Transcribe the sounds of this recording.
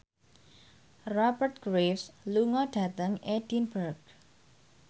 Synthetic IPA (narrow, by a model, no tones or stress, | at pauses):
rɔbərt̪̚ɡ̥ɾefsluŋɔɖ̥ä̤t̪əŋed̥inbərɡ̚